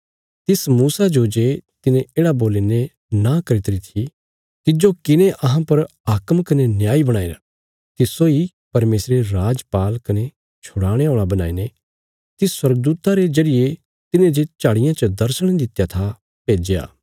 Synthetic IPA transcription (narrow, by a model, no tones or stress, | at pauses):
t̪ɪsmuːsad͡ʒod͡ʒeːt̪ɪnẽeːɽaboːline | nakɐɾɪt̪ɾit̪ʰi | t̪ɪd͡ʒokɪnẽʔɐɦãpɐɾ | aːkəmkɐnenjaːibɐɽ̃aːin | t̪ɪsːoi | pɐɾmeːsɾeɾaːd͡ʒpaːlkɐne | t͡ʃʰʊɽaːɽ̃eoːɭ̃abɐna̰ːine | t̪ɪswɐɾɡəd̪uːt̪aɾezɐɽɪje | t̪ɪnẽd͡ʒet͡ʃaːɽɪjãt͡ʃəd̪ɐɾsəɽ̃d̪ɪt̪jat̪ʰa | peːd͡ʒea̰ː